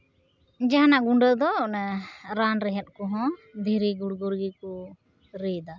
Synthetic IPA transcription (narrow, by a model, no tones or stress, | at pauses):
d͡ʒaɦanaʔɡuɳɖəd̪ɔnaɾanɾɛɦɛt̪̚ˀkɔɦɔ̃d̪ʱiɾiɡuɽɡuɾɡiku | ɾijd̪a